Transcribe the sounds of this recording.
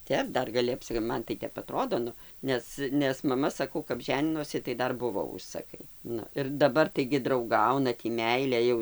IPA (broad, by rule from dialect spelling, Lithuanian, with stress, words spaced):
ˈtʲɛp ˈdɐr ɡɐˈlʲɪ ɐpʲˈsʲɪ ˈmɐn tɐɪ ˈtʲɛp ɐˈtroːdoː ˈnʊ ˈnʲɛs nʲɛs mɐˈmɐ sɐˈkɐʊ kɐp ˈʒʲæːnʲɪnoːsʲɪ tɐɪ ˈdɐr ˈbʊʋoː ˈʊʃsɐkɐɪ ˈnʊ ɪr dɐˈbɐr tɐɪɡʲɪ drɐʊˈɡɐʊnɐ ˈtʲiː ˈmʲɛɪlʲeː jɛʊ